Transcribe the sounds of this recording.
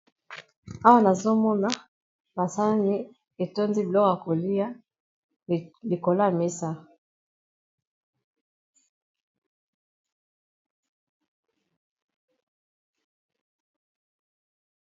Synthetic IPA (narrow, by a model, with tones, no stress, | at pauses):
a˦wa˦na˨zo˦mɔ˦na˦ | ba˨sa˦la˦ni˦ | e˨to˦nzi˦blɔ˦˨a˨ko˨li˦ja˦˨ | li˨ko˨la˦˨me˦sa˦